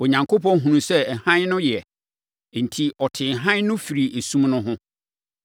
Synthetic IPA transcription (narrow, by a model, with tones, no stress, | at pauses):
o˨ɲã˨ŋkʰo˦pʰɔ̃˦n˦ɦũ˨nũ˨sɛ˦ɛ˨hã˦ɲnʊ̃˦jɛ˨ | n̩˨tʰi˦ɔ˨tʰɪ̃˨ɦã˦ɲnʊ̃˦fi˨ɾi˨ʔe˨sũ˦mnʊ̃˦ɦʊ̃˦